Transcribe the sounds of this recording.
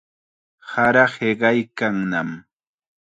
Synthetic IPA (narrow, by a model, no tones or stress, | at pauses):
haɾɑheɢɑjkaŋnam